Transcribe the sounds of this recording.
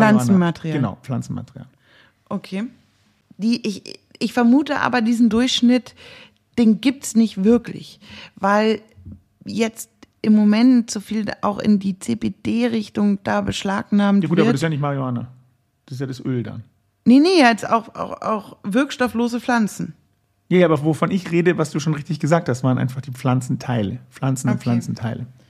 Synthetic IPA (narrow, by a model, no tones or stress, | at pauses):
flansn̩mateʁiaɡːna̰ʊflant͡sn̩ma̰tʁija̰ːl | ʔokʰeː | d̥iːʔɪç | ɪçfɛɐmuːtəʔa̰ːbɐdiːzn̩dʊɐçʃnɪt | d̥eːnɡiːp̚tsnɪçtv̥ɪɐklɪ̰çvaɪl | jɛt͡st | ʔɪmːomɛntz̥ofiːlʔa̰ʊxɪ̰ndiːt͡seːpeːd̥eːʁɪçtʊŋd̥aːbəʃlaːknaːmtjaɡvuːvtaɐbɐ̥sjaːnɪçtmaʁioaːna̰ | d̥asɪsjaːdasʔøːlda̰n | nənəjaːɛsa̰ʊxa̰ʊxa̰ʊxvɪɐkʃtɔfloːzəfl̥ant͡sn̩ | jaːjʔaːbɐvofɔnɪçʁeːdəvasd̥uːʃoːnʁɪçtɪçɡ̥əzaːk̚thastv̥aːʁnʔa̰ɪnfaχd̥iːflant͡sn̩tʰaɪləflant͡sn̩nflant͡sn̩tʰaɪlə